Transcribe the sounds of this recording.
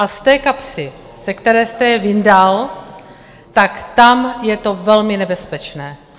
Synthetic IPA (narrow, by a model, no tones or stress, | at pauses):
ʔast̪ɛːkapsɪ | sɛkt̪ɛɾɛːst̪ɛjɛvɪndal | t̪akt̪amjɛt̪o̞vɛlmɪnɛbɛspɛt͡ʃnɛː